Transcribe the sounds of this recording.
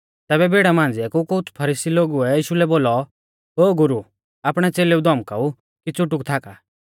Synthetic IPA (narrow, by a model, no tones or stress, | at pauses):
t̪ɛːβɛbʱeːɽamãːn̆d͡ziɛkukʊʊt͡sʰpʰɐɾiːsiloɡuɛiːʃulɛboːlɔ | ɦoːɡʊɾu | apɽ̃ɛt͡seːleud̪ɔmkau | kit͡sʊʈʊkt̪ʰaːka